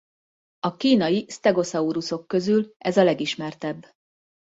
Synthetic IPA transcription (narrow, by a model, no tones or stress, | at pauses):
ɒkiːnɒjist̪ɛɡo̞sɒuɾuso̞kːø̞zylɛzɒlɛɡiʃmɛrt̪ɛbː